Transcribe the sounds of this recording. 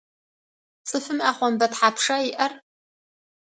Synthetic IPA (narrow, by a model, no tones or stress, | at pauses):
sɨfɨmaχʷanbatħapʰʂaiʔɐr